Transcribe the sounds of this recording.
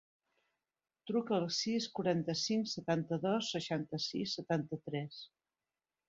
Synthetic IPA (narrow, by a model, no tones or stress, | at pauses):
t̪ɾukəːlˠsiskuɾant̪əsiŋksət̪ant̪əðɔsːəʃant̪əsḭsːət̪ant̪ət̪ɾɛs